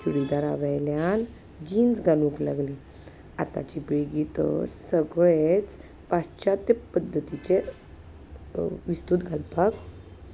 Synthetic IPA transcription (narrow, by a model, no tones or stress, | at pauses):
d͡ʑuɽid̪aɾaʋajljan | d͡ʑinsɡʱalũkla̰ɡli | a̰t̪a̰t͡ɕibeɡit̪ə̰ɾsəɡɭet͡s | past͡ɕat̪əpəd̪ʱːət̪it͡ɕe | ʋist̪ut̪ɡʱalpak